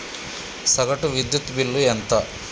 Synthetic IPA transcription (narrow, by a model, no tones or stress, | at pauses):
sɐɡɐʈuʋid̪jut̪bilːuɛnt̪ɐ